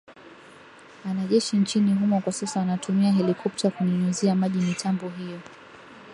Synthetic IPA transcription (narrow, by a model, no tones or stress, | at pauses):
anaʄɛʃint͡ʃiniɦumɔkwasasaanatʰumiaɦɛlikʰɔp̚takuniɲuziamaʄinitʰambɔɦijɔ